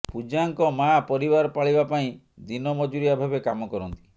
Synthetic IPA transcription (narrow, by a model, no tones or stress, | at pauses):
pud͡ʒaŋkɔmajapɔɾibaɾɔpaɭibapaĩ | d̪inɔmɔd͡ʒuɾijabʱabekamɔkɔɾɔnt̪i̥